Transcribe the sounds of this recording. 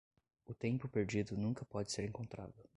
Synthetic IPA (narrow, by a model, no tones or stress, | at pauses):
ʊt̪ẽmpʊpeɾd͡ʒid̪ʊnũkɐpɔd͡ʒɪseɾẽŋkõnt̪ɾa̰d̪ʊ